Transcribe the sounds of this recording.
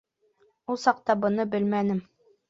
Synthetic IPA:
ulˠsɑq̚t̪ɑbɤ̆nɤbɘlmænɘm

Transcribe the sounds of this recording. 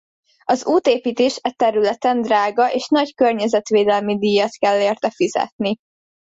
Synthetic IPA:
ɒzuːt̪eːpiːt̪eːʃɛt̪ɛɾylɛt̪ɛnd̪raːɡɒʔeːʃnɒckørɲɛzɛt̪ʋeːd̪ɛlmid̪ijːɒt̪kɛlːeːrt̪ɛfizɛ̰t̪̚ni

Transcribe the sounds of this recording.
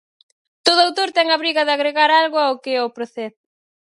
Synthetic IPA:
t̪oð̞ʊawt̪oɾt̪ɛŋɐβɾiɣɐðɪaɣɾeɣaɾalɣʊaʊkɪɛopɾoθɛð

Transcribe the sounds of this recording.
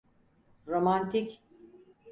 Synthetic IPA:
ɾomant̪ʰic

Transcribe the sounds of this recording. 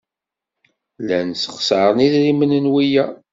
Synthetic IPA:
lænsə̥χsəɾˤniðɾimənənwijæ

